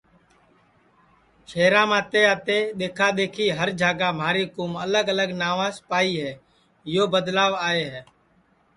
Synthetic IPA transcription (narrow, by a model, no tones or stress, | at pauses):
ʃeːɾãːmãːt̪eːaːt̪eːɗ̪eːkʰaːɗ̪eːkʰiːɦəɾd͡ʒʱaːɡaːmaːɾiːkuːmələɡələɡnaːʋãːspaːiːɦɛː | ɪjoːbəd̪laːʋaːeːɦɛː